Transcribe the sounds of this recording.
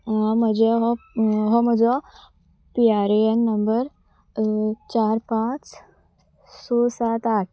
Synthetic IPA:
ãm̤əd͡ʑeɦɔɦɔməd͡zɔ | piaɾeenːəmbəɾ | t͡ɕaɾpãt͡s | sosat̪aʈ̚ʰ

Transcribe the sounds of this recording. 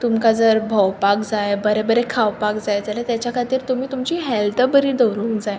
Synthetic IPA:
t̪umkad͡zəɾbʱəwpakd͡zajbəɾebəɾekʰawpakd͡zajd͡zalat̪jat͡ɕjakʰat̪iːɾt̪um̤iːt̪umt͡ɕiːɦɛlt̪əbəɾiːd̪əwɾuːŋkd͡zaj

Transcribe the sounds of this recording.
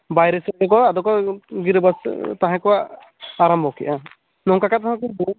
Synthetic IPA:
bajɾɛsɛɛk̬ɔad̪ɔkɔɡiɾbast̪aɦãkɔaʔ | aɾambʱɔkiʔa | nɔkakat̪aɦãkɔbu

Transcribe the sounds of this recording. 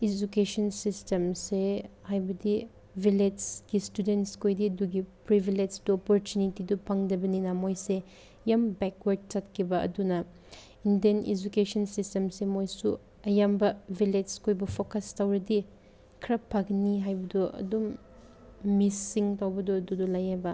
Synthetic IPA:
ed͡ʒukesɐnsistemsehajbɐdi | vʱilesɡistudentskojdiɐduɡipɾibiled͡ʒduɔpɔɾtunitidupʰaŋdɐbɐninɐmojse | jambɛkwɐɾd̚t͡ʃɐt̚kʰibɐʔɐ̰dunɐ | indiened͡ʒukesɐnsistemsemojsu | ɐjambɐbʱiled͡ʒskojbɐpʰokɐstawɾɐdi | kʰɾɐpʰːakniɦajbɐduɐ̰dumː | isiŋtawbɐduɐdudulɐjabɐ

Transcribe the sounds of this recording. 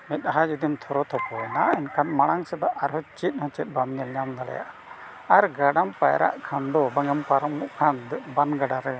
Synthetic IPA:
mɛt̪̚ˀaɦad͡ʒud̪imt̪ʰɔɾɔt̪ʰɔpɔjɛnaɛnkʰanmaɽ̃aŋsɛd̪aʔaɾɦɔt͡ʃit̪̚ˀhɔ̃t͡ʃɛt̪̚ˀbamɲɛlɲamd̪aɽɛ̰ja̰ʔa | aɾɡaɖampajɾa̰ʔkʰand̪ɔbaŋɛmpaɾamːuʔkʰand̪banɡaɖaɾɛ

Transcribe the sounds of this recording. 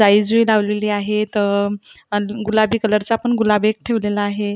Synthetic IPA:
aid͡zʋilaʋleliːaɦet̪ə | ɡulabiːkələɾt͡saapəɳɡulabek̚ʈʰeʋlelaːɦe

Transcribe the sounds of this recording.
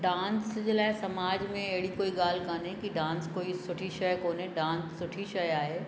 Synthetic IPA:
ɖãːnsd͡ʒɪlasɐmaːd͡ʒmẽeːɽikoːiɡaːlkaːnẽkiɖãːnskoːisʊʈʰiʃɐjkoːnẽɖãːnsːʊʈʰiʃɐjaːɦeː

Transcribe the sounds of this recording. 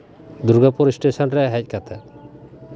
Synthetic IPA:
d̪uɾɡapɔɾisʈesɔnɾɛɦɛc̚ˀkat̪ʰɛ

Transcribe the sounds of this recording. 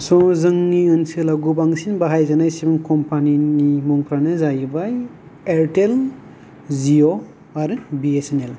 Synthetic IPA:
sɔzɯŋːiɯnsɯlaɡubaŋsinbaɦajzanajsibuŋkɔmpʰaninimɔŋkʰɾanɯzajɯbaj | eɾtel | zio | aɾɯbiesenel

